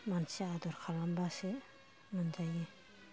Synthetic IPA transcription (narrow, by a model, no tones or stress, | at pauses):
mansead̪ɔɾkʰalambase | mɔnd͡ʒajɛ